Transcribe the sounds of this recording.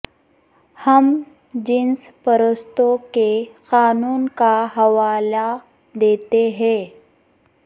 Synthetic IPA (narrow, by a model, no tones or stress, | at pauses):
həm | d͡ʒɪnspəɾəst̪õkexaːnuːnkaɦɐʋaːla | d̪eːt̪eɦɛ̃ː